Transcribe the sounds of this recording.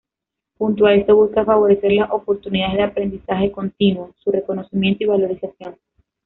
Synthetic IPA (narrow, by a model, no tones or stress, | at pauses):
hunt̪oae̞st̪o̞βuskafaβ̞o̞ɾe̞se̞ɾlaso̞po̞ɾt̪uniðaðezðeapɾe̞nd̪isaxe̞ko̞nt̪inwo̞sure̞ko̞no̞simje̞nt̪oiβ̞alo̞ɾisasjo̞n